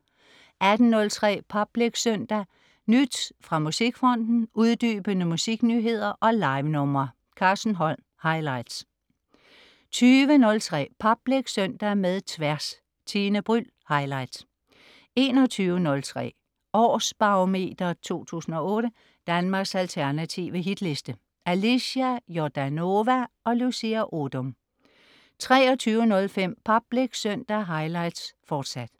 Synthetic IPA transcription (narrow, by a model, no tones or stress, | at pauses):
ʔæd̥n̩nɔ̽lt͡sʰʁɛ̰ːpʰɒ̽b̥leɡ̥søn̰d̥æ | nyd̥sfʁɑ̈musiɡ̥fʁɒ̽n̰d̥n̩ʔuðˠd̥y̰ːb̥ənəmusiɡ̥nyːɦe̝ð̞̰ˠɐʔɒ̽lɑ̈ɪʋnɔ̽mɐ | kʰɑ̈ːsn̩ɦɒ̽l̰ | hɑ̈ɪlɑ̈ɪd̥s | t͡sʰyːʋənɔ̽lt͡sʰʁɛ̰ːpʰɒ̽b̥leɡ̥sœn̰d̥æmeðˠt͡sʰʋæɐs | t͡sʰiːnəb̥ʁyl | hɑ̈ɪlɑ̈ɪd̥s | e̝ːnɒ̽t͡sʰyːʊənɔ̽lt͡sʰʁɛ̰ː | ɒ̰ːsb̥ɑ̈ome̝̰ːd̥ɐt͡sʰo̝̰ːt͡sʰṵːsn̩ɒ̽ɔ̽ːɾ̥ə | d̥ænmɑ̈ːɡ̥sælt͡sʰæɐnæt͡sʰiʋəɦid̥le̝sd̥ə | ʔælisæjod̥æno̝ʋæɒ̽lusiæʔod̥ɔm | t͡sʰʁɛ̰ːɒ̽t͡sʰyːʊənɔ̽lfem̰pʰɑb̥leɡ̥søn̰d̥ɐɦɑ̈ɪlɑ̈ɪd̥sfɒːd̥sæd̥